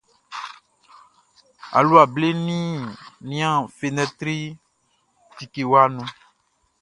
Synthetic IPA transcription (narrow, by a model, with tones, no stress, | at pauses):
a̰˨lu˦a˨ble˦nĩ˦nĩ˦ã˦˨fe˨nɛ̃˦t̪ɾi˦ | t̪i˨ke˨wa˦nũ˦